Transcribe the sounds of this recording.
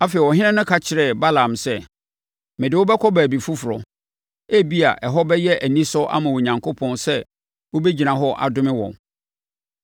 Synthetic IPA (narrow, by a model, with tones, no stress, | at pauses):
a˦fe˨i˨ɔ˨ɦɪ̃˦nɪ̃˦nʊ̃˦kʰa˦t͡ɕʰɪ˨ɾɛ˦˨ba˦lã˨msɛ˦ | mɪ̃˨dɪ˨wɔ˦bɛ˦kʰɔ˦bæː˨bi˨fu˦fʊ˨ɾɔ̰˨ | æ˦bi˦a̰˨ʔɛ˨ɦɔ˦bɛ˦jɛ˦ʔæ˨nĩ˦sɔ˦ʔa̰˦mã˨wo˨ɲã˨ŋkʰo˦pʰɔ̃˦nsɛ˦ | wo˦be˦d͡ʑi˨nã˨ɦɔ˦ʔa̰˨dʊ̃˦mɪ̃˦wɔ̰̃˨n